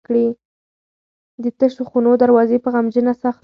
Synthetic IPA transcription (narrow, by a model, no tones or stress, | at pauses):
kɽi | d̪ət̪əʃoxunod̪aɾwɑzepəɣamd͡ʒənasaxt̪